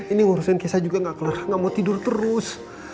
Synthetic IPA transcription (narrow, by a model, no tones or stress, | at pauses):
iniŋɔɾusɛnkɛsad͡ʒuɡaŋɡakələrŋamot̪idʊrt̪əɾʊs